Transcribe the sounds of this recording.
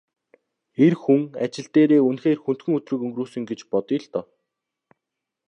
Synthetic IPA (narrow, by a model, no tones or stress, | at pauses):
erxuŋat͡ɕɪ̆ɬt̪eːɾeːunxeːrxunt̪xɘ̆ŋɵt̪rɵ̆kɵŋɡruːsɵ̆ŋɡet͡ɕpɔt̪ĭɮt̪ɔː